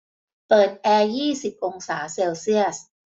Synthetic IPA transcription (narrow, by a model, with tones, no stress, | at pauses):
pɤː˨˩t̪̚ʔɛː˧jiː˥˩si˨˩p̚ʔo˧ŋsaː˩˦seː˧wsi˥˩əs